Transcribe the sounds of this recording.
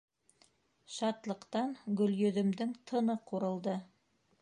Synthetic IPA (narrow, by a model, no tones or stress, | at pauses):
ʃɑt̪lˠɤ̆qt̪ɑnɡɵ̆ljɵ̆ðɵ̆md̪ɘŋt̪ʰɤ̆nɤquɾɤ̆lˠd̪ɤ